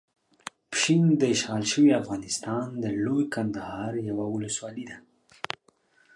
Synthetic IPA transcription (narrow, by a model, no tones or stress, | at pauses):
pʃind̪əɪʃɣɑlʃəwiafɣɑnɪst̪ɑnd̪əlojkand̪ahɑɾjawawʊləswɑlid̪a